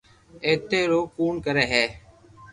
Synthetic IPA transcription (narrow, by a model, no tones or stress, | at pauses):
eːt̪eːɾoːkuːɳkəɾeːɦɛː